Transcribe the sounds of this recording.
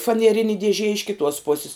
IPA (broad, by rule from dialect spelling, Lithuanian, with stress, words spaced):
fɐnʲiɛˈrʲɪnʲɪ dʲiɛˈʒʲiɛ ɪʃ kʲɪˈtuɔs ˈpoːsʲɪs